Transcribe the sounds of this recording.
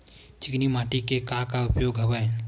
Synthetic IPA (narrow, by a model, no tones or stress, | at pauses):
t͡ʃɪknimaːʈikekãkaʊpjoːɡɦɐʋəe